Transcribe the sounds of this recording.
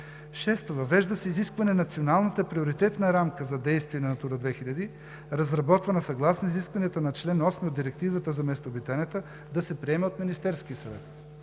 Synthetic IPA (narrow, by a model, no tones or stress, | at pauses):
ʃɛst̪ovɐvɛʒd̪əsɛiziskvɐnɛnɐt̪sionalˠnət̪əpɾioɾit̪ɛt̪nəɾamkəzɐd̪ɛjst̪viɛnɐnɐt̪uɾəd̪vɛxiʎʲɐd̪i | ɾɐzɾɐbɔt̪vɐnɐsɐɡlˠasnoiziskvɐniət̪onɐt͡ʃlɛnɔsmiod̪iɾɛk̚t̪ivət̪əzɐmɛst̪obit̪anɛt̪ə | d̪ɐsɛpɾiɛmɛot̪minist̪ɛɾskiəsɐvɛ̰t̪